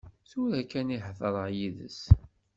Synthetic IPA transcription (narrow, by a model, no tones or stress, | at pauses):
θʊɾækæniħfəɾˤəʕjiðə̰s